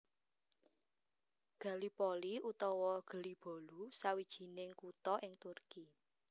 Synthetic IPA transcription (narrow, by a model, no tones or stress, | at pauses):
ɡ̥a̤lipɔliut̪ɔwɔɡ̥ə̤lib̥o̤lusawid̥ʒ̥i̤nɪŋkut̪ɔʔɪŋt̪urki